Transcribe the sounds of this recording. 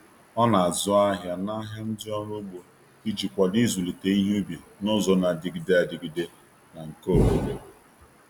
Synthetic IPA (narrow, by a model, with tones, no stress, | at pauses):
ɔ˦na˨a˨zʊ˦a˦ɦja˨na˦ɦa˦n̩˦dɪ˦ɔ˦ɾʊ˦ɡ͡bo˨ | i˦d͡ʒi˨kʷa˨di˦zu˨li˨te˨i˦ɦu˦be˨nʊ˦zɔ˨na˨dɪ˨ɡi˨de˦a˨dɪ˨ɡi˨de˨ | na˨ŋ̩˨ko˦˨wo˨be˨